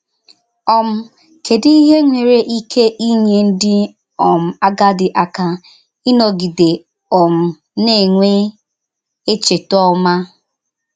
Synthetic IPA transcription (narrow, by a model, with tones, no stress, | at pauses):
ɔ˨m̩˦ | kʰe˨di˦i˦ɦe˦ŋʷe˨ɾe˦ʔi˦kʰe˦ʔi˦ɲe˦n̩˦dɪ˦ | ɔ˨m̩˨a˦ɡa˦dɪ˨ʔa˨ka˨ | i˦no˨ɡi˨de˨ | ɔ˨m̩˨ | ne˦˨ŋʷe˦ | e˦t͡ʃe˨tɔ˦ma˦